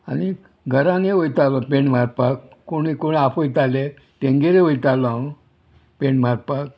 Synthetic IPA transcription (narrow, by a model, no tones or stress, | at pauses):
ani | ɡʱəɾãneʋojt̪alɔpẽɳm̤aɾpak | koɽ̃ikoɽiapojt̪ale | tẽŋɡeɾeʋojt̪aloãõ | pẽɳm̤aɾpak